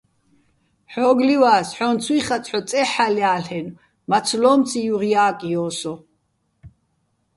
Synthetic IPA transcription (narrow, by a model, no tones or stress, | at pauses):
ħɔːɡliwaːsħɔnt͡sʰwiːχat͡sʼħɔt͡s̪ʼɛħaljaːlɛn | mat͡sʰlɔːmt͡sʰijuʁiaːkʼijɔːsɔ